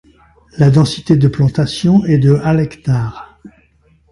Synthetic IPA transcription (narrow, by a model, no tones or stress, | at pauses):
lad̪ɑ̃si̥t̪ed̪əplɑ̃t̪asjɔ̃ɛd̪əalɛkt̪aːʁ